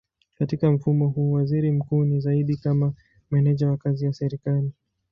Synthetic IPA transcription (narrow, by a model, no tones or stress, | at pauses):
katikam̩fumɔhuːwaziɾim̩kuːnizaiɗikama | mɛnɛʄawakazijasɛɾikali